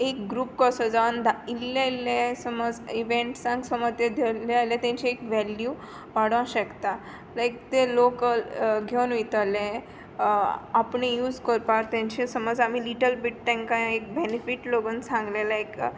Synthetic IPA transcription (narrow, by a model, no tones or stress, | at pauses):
ek̚ɡɾuːp̚kəsəd͡zaʋənd̪ʱailːailːesəməd͡ziʋẽɳʈsãŋksəməd̪jed̪ʱelealjat̪ãɲt͡ɕiekʋɛlju | ʋaɽʋãɕəkt̪a | lajk̚t̪elokəlɡʱenʋit̪alẽ | apɳejuːd͡zkəɾpaɾt̪ãɲt͡ɕẽsəməd͡zamiliʈəlbiʈ̚t̪ɛ̃ŋkãek̚benifiʈloɡənsãŋɡlelaek